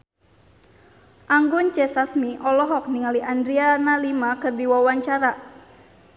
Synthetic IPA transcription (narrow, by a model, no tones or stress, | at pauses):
ʔaŋɡʊnt͡ʃɛsasmiʔɔlɔɦɔk̚niŋaliʔandɾianalimakɨrdiwawaɲt͡ʃaɾa